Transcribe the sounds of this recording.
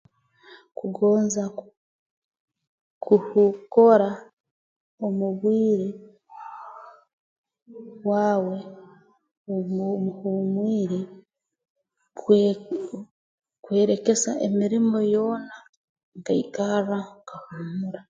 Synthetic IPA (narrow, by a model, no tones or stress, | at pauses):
kuɡo̞ːnza | kuhuko̞ɾa | omuβwiːɾi | waːwe̞ | omuhumwiːɾi | kwe̞ːɾe̞ke̞saʔemiɾimo̞jo̞ːna | ŋɡaikarakahumuɾa